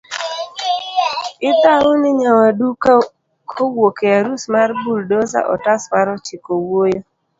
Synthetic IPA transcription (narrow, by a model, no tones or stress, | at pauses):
ɪtaʊnɪɲawadu | kʰowokeaɾusmaɾbuldoza̰ʔɔ̰taswaɾɔt͡ʃɪkowojo